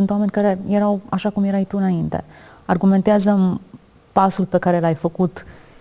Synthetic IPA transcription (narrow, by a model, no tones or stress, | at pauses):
unt̪wame̞nʲkaɾe̞je̞ɾawaʃakumje̞ɾajt̪uɨnaint̪e̞̰arɡume̞nt̪eazə | pasulpe̞kaɾe̞lajfəkut̪